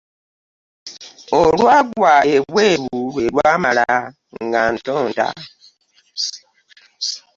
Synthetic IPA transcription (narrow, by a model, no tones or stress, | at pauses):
oɾwaɡwaeweɾuelwamaɾa | ŋɡan̩tɔnda̰